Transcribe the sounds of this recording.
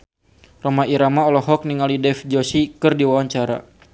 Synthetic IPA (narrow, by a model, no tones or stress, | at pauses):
romaiɾamaɔlɔɦɔk̚niŋalidɛfd͡ʒɔsikɨrdiwawaɲt͡ʃaɾa̰